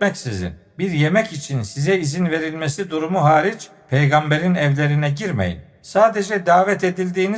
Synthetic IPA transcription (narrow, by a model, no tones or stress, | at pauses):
mɛcsizḭnbiɾje̞mɛcit͡ʃʰinsizɛizinve̞ɾilʲmesid̪uɾumuɦaːɾit͡ʃ | pʰejɡambeɾinɛvlʲe̞ɾinɛɟiɾmḛjḭn | saːd̪e̞d͡ʒɛd̪aːvɛt̪e̞d̪ilʲd̪iːni